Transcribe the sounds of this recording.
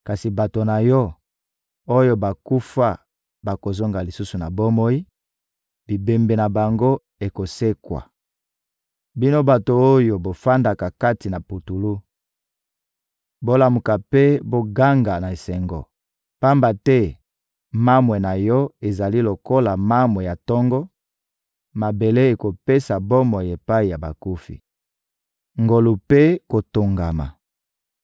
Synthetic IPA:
ka˨si˨ba˨to˨na˨jɔ˦ | o˦jo˦ba˨ku˦fa˦ | ba˨ko˨zo˦ŋɡa˨li˨su˦su˨na˨bo˦mo˦i˦ | b̥i˨be˨mbe˨na˨ba˨ŋɡo˦ | e˨ko˨se˦kwa̰˨ | bi˦no˦ba˨to˨o˦jo˨bo˨fa˦nda˨ka˨ka˦ti˨na˨pu˨tu˨lu˦ | bo˦la˨mu˨ka˨pe˦bo˦ɡa˦ŋɡa˨na˨e˨sɛ˨ŋɡɔ̰˨ | pa˦mba˨tɛ˦ | ma˦mwɛ˨na˨jɔ˦e˨za˨li˦lo˨ko˦la˨ma˦mwɛ˨ja˨tɔ˦ŋɡɔ˦ | ma˨be˨le˦e˨ko˨pe˦sa˨bo˦mɔ˨je˨pa˦i˨ja˨ba̰˨ku˦fḭ˨ | ŋɡo˨lu˨pe˦ko˨to˨ŋɡa˨ma̰˨

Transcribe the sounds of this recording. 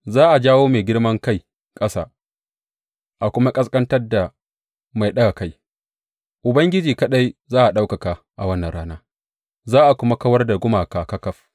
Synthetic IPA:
zaː˦ʔa˨d͡ʒaː˦woː˦meː˨ɡʲɪ˦ɽmɐ˦ŋka˦˨j | kʼɐ˦sa̰ː˨ | ʔa˨kʷʊ˦ma˦kʼɐ˦skʼɐ˦ntɐ˦rda˨ | ma˨jɗɐ˦ɡa˨ka˦j | ʔʊ˨bɐ˦ŋɡʲɪ˦d͡ʒiː˨ka˦ɗa˦jzaː˦ʔa˨ɗa˦wkɐ˨ka˨ | ʔa˨wɐ˦nːɐ˨nɽaː˦naː˦ | zaː˦ʔa˨kʷʊ˦ma˦kɐ˦wɐ˦rda˨ɡʷʊ˦maː˨kaː˨kɐ˦kɐ˦ɸ

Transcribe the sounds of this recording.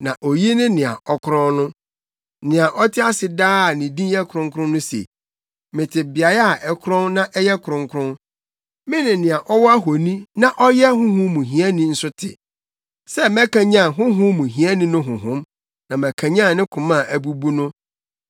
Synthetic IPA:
nã˨ʔo˨ji˦nɪ̃˦nɪ̃˨a̰˨ʔɔ˨kʰʊ˦ɾɔ̃˦nnʊ̃˦ | nɪ̃˨a˨ʔɔ˦tʰɪ˦a˦sɪ˨daː˦a˨nɪ̃˨dĩ˦jɛ˦kʰʊ˨ɾʊ̃˦ŋ˦kʰʊɾʊ̃˦nʊ̃˦sḛ˨ | mɪ̃˨tʰɪ˨bi˨a˨ɾa˦a˨ʔɛ˦kʰʊ˦ɾɔ̃˦nnã˦ʔɛ˦jɛ˦kʰʊ˨ɾʊ̃˨ŋkʰɾʊ̃˦n | mɪ̃˦nɪ̃˨nɪ̃˨a˨ʔɔ˦wɔ˦a˦ɦo˨nĩ˦nã˦ʔɔ˦jɛ˦ɦʊ̃˦ɦʊ̃˦mũ˨ɦĩ˨æ˦nĩ˦n̩˨sʊ˦tʰɪ̰˨ | sɛ˦mɛ̃˦kã˨ɲã˦˨ɦʊ̃˦ɦʊ̃˦mũ˨ɦĩ˨æ˦nɪ̃˦nʊ̃˦ɦʊ̃˨ɦʊ̃˦m | nã˨mæ̃˨kʰã˨ɲã˦˨nɪ̃˦kʰʊ̃˨mã˦˨ʔæ˨bu˦bu˦nʊ̃˦

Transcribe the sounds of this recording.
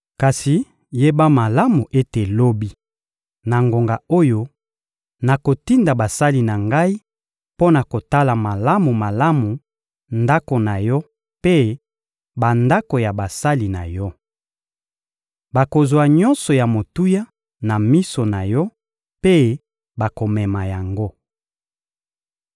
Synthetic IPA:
ka˨si˨ | je˦ba˦ma˨la˦mu˨ʔe˦te˨lo˦bi˦ | na˨ŋɡo˨ŋɡa˨o˦jo˦ | na˨ko˨ti˦nda˨ba˨sa˦li˨na˨ŋɡa˦i˦ | po˦na˨ko˨ta˦la˨ma˨la˦mu˨ma˨la˦mu˨ | nda˦ko˨na˨jɔ˦ | pe˦ | ba˨nda˦ko˨ja˨ba˨sa˦li˨na˨jɔ˦ | ba˨ko˨zwa˨ɲɔ̃˦nsɔ˨ja˨mo˨tu˦ja˦ | na˨mi˦so˨na˨jɔ˦ | pe˦ | ba˨ko˨mɛ˨ma˨ja˨ŋɡo˦

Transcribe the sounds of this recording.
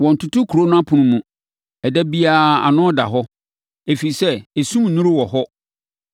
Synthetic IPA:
wɔ̃˨n̩˨tʰʊ˦tʰʊ˦kʰu˨ɾo˦nʊ̃˦a˦pʰʊ̃˨nũ˦mũ˨ | ɛ˨dɛ˦bi˦aː˨a̰˨nʊ̃˦ɔ˦da̰˨ɦɔ˦ | e˨fi˨sɛ˦e˨sũ˦m˨nũ˦ɾʊ˦wɔ˨ɦɔ˦

